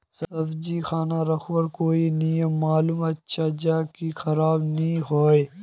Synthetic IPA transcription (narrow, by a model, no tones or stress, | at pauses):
sɐbd͡ʒixaːnaɾɐxwɐɾkoːinijəmːaːluːmɐtːʃʰad͡ʒaːkixɐɾaːbnɐĩɦoːe